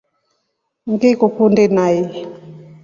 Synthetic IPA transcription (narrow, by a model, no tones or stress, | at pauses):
ŋɡikukundinai